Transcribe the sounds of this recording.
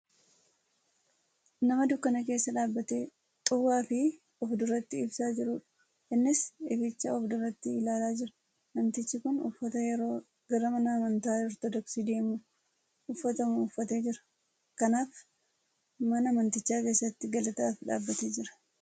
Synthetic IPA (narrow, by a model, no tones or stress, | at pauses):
nɐmɐd̪ʊkːɐnɐke̞ːsːɐᶑaːbːɐt̪eː | t̪ʼʊwaːfɪ | ɔfd̪ʊɾɐt̪ːɪːbsaːd͡ʒɪɾʊᶑɐ̥ | ɪnːɪsɪfɪt͡ʃːɐɔfd̪ʊrːɐt̪ːɪɪlaːlaːd͡ʒɪɾɐ̥ | mɐnt̪ɪt͡ʃːɪkʊnʊ̰fːɐt̪ɐjɛɾo̞ː | ɡɐɾɐmɐnɐɐmɐnt̪aːd͡ʒɪɾt̪ɐd̪ɐksid̪e̞ːmuː | ʊfːɐt̪ɐmɐʊfːɐt̪e̞ːd͡ʒɪɾɐ̥ | kɐnaːf | mɐnɐmɐnt̪ɪt͡ʃːaːke̞ːsːɐt̪ːɪɡɐlɐt̪ɐaːfᶑa̰ːbːɐt̪eːd͡ʒɪɾɐ̥